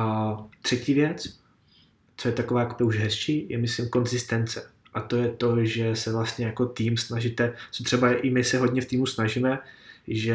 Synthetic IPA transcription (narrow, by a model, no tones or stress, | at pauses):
at̪r̝̥ɛciːvjɛt͡s | t͡sojɛt̪akovaːjakobɪuʒɦɛsʃiːjɛmɪslɪmko̞nzɪst̪ɛnt͡sɛ | ʔat̪o̞jɛt̪o̞ʒɛsɛvlast̪ɲɛjako̞t̪iːmsnaʒit̪ɛt͡sot̪r̥ɛbajɛʔɪmɪsɛɦo̞dɲɛft̪iːmusnaʒimɛʒɛ